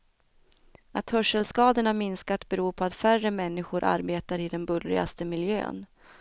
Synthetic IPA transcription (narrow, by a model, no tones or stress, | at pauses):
at̪hœʂəlskɑːd̪əɳamɪnskat̪bɛɾuːɾpʰɔat̪færəmɛnːɪɧʊɾʔa̰ɾbeːt̪aɾɪd̪ɛnbɵlɾɪ̰ɡa̰st̪əmɪljø̰ːn